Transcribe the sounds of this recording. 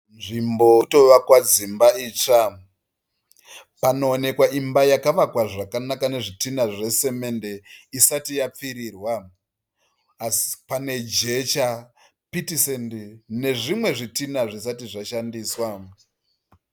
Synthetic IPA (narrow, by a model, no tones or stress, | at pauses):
nʐimboto̞ʋakwad͡zimbaiːt͡ʂa | pano̞ːne̞kwaʔimbajakaʋakwaʐakanakane̞ʐitinaʐe̞se̞me̞nde̞isatijap͡fiɾiːrwa | si̥pane̞d͡ʒe̞t͡ʃa | pitisendine̞ʐimwe̞ʐitinaʐisatiʐaʃandiːswa